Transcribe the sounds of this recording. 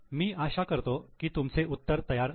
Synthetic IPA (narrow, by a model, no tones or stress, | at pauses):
miːaɕakəɾt̪okiːt̪umt͡seut̪ːəɾt̪əjaɾ